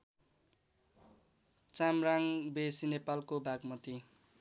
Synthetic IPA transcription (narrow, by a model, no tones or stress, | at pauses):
t͡samraŋbesinepalkobʱaɡmʌt̪i